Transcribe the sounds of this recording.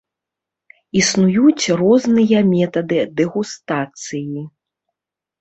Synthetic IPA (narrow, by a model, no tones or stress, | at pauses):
isnujut͡sʲrɔznɨjɐmʲɛt̪ɐd̪ɨd̪ɛɣust̪at̪sɨji